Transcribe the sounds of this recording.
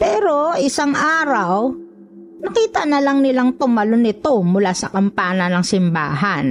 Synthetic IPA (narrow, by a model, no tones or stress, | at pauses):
pɛːɾoʔɪsaŋʔaːɾɐw | nɐkiːt̪ɐnɐlɐŋnɪlaŋt̪ʊmɐlonɪt̪o̞mʊlaːsɐkɐmpaːnɐnɐŋsɪmba̰ːɦɐn